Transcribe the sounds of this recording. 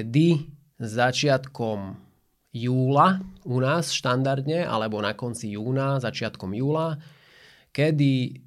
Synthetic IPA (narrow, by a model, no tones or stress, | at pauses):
d̪i | zat͡ʃɪat̪kɔm | juːlaunaːsʃt̪and̪aɾd̪ɲɛʔa̰lɛbɔnakɔnt͡sijuːnazat͡ʃɪat̪kɔmjuːla | kɛd̪i